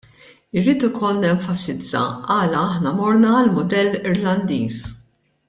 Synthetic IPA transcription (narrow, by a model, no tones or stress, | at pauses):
ɪɾːiːt̪ɪkʰɔlnɛɱfɐsɪd͡zːɐ̰ɐːlɐɐħnɐmɔɾnɐːlmʊd̪ɛlːɪɾlɐnd̪iːs